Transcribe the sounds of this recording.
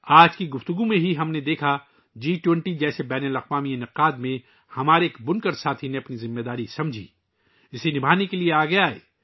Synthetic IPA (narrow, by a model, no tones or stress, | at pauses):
aːd͡ʒkiɡʊft̪ʊɡumẽɦiɦɐmned̪eːkʰa | d͡ʒiːʈwɛ̃ɳʈid͡ʒɛːsebɛːnəlɐqʋaːmiɪnɪqaːd̪mẽ | hɐmaːɾeːkbʊnkəɾsaːt̪ʰineɐpnizɪmːed̪aːɾisɐmd͡ʒʱḭ | ɪsenɪbʱaːnekelieaːɡɐjaɦɛ̰ː